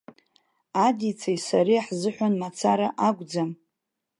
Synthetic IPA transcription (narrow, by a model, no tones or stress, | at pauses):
adit͡sʰajsaɾiaħzɨħʷanmat͡sʰaɾaʔaɡʷʼd͡zam